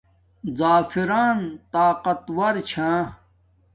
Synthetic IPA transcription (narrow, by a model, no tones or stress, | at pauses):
zaːfiɾaːnt̪aːqɐt̪wɐɾt͡ɕʰãː